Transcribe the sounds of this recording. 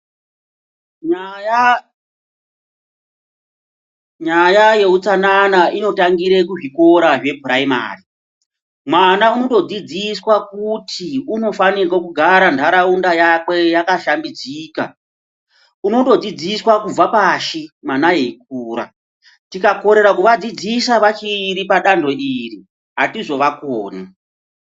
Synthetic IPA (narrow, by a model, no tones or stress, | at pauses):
ɲajaje̞ut͡sananaʔino̞taŋɡiɾe̞k̬uʐiko̞ɾaʐe̞puraima̰ːri | mwanauno̞to̞d͡zid͡ziswakutʰiuno̞fanirwakuɡʱaɾandʱaɾaundajakwe̞jakaʃambid͡ziːka̰ | uno̞to̞d͡zid͡ziswakuapaːʃimanajeik̚uːɾa̰ | tikako̞ɾe̞ɾakuʋad͡zid͡zisaʋat͡ʃiɾipaɗando̞ʔiri | ɦatiʐo̞ʋakoːna